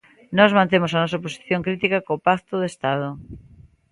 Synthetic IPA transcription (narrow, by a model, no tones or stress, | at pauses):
nɔzmãnt̪̬emʊsɐnɔs̬ɐposi̥θjoŋkɾit̪ikakoːpakt̪oðest̪að̞ʊ